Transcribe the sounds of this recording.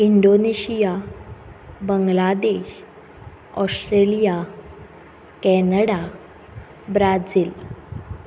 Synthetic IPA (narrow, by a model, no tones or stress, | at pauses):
iɳɖoneɕija | bəŋɡlad̪eɕ | ɔsʈɾelija | kɛnəɽa | bɾad͡ziːl